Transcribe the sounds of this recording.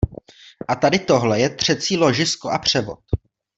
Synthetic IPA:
ʔat̪adɪt̪o̞ɦlɛjɛt̪r̝̥ɛt͡siːlo̞ʒɪsko̞ʔapr̝̥ɛbo̞̰t̪̚

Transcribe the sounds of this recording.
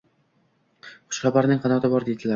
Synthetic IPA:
χʊ̥ʃχɑbaɾnɪŋqʰɑnɒt̪ʰɪbɒɾd̪ed̪ɪlaɾ

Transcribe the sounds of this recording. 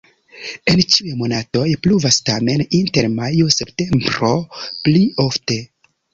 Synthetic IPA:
e̞nt͡ʃiujmo̞nato̞jpluvastame̞ninte̞ɾmajose̞pte̞mbɾo̞pliofte̞

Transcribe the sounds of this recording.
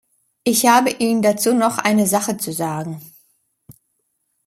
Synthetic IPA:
ʔɪçhaːbəʔiːnəndat͡suːnɔχʔaɪnəzaχət͡suzaːɡŋ̩

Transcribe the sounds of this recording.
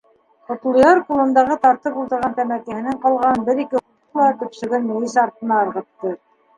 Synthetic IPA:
qŏt̪lˠɤ̆jɑɾqulˠɤ̆nd̪ɑʁɤt̪ɑɾt̪ɤpulˠt̪ɤ̆ɾʁɑnt̪æmækæ̆hɘ̆nɘɴqɑlˠʁɑnbɘɾikɘχuqlˠɑt̪ɵ̆psɘ̆ɡɘnmuwisɑɾt̪ɤ̆nɑɤ̆ɾʁɤ̆t̪ːɤ

